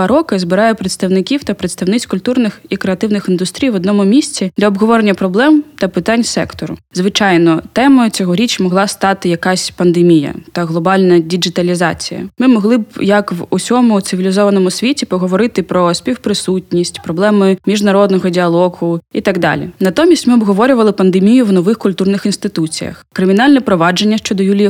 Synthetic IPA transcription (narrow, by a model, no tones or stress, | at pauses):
ɾɔkɪzbɪɾɑjʊpɾet̪st̪ɐwnɪkʲiwt̪ɐpɾet̪st̪ɐwnɪt͡sʲkʊlʲt̪urnɪxikɾeɐt̪ɪwnɪxind̪ust̪ɾʲijʋɔd̪nɔmʊmʲisʲt͡sʲid̪lʲɐɔbɦɔʋɔɾenʲːɐpɾɔblˠɛmt̪ɐpɪt̪ɑnʲsɛkt̪ɔɾʊ̰zʋɪt͡ʃɑjnɔt̪ɛmɔjʊt͡sʲɔɦɔɾʲit͡ʃmɔɦlˠɑst̪ɑt̪ɪjɐkasʲpɐnd̪emʲijɐ̰t̪ɐɣlˠɔbɑlʲnɐdʲid͡ʒɪt̪ɐlʲizɑ̰t͡sʲijɐ̰mɪmɔɦlˠɪbjɐkʋusʲɔmʊt̪sɪʋʲilʲizɔʋɐnɔmʊsʲʋʲitʲipɔɦɔʋɔɾɪt̪ɪpɾɔsʲpʲiwpɾɪsutʲnʲisʲtʲpɾɔblˠɛmɪmʲiʒnɐɾɔd̪nɔɣɔdʲɪɐlˠɔɣʊit̪aɡd̪ɑ̰lʲḭnɐt̪ɔmʲisʲtʲmɪɔbɦɔʋɔɾʲʊʋɐlˠɪpɐnd̪emʲijʊwnɔʋɪxkʊlʲt̪urnɪxinst̪ɪt̪ut͡sʲijɐ̰xkɾɪmʲɪnɑlʲnɛpɾɔʋɑd͡ʒenʲːɐʃt͡ʃɔd̪ɔjulʲij